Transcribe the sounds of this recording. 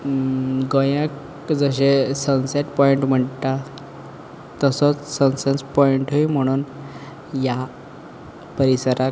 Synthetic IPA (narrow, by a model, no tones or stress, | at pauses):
ɡəjãk | d͡zəɕesə̃w̃seʈpɔiɳʈm̤əɳt̪a | t̪əsɔt͡ssəw̃senspɔiɳʈɦim̤əɽ̃uːn | ja | pəɾisəɾa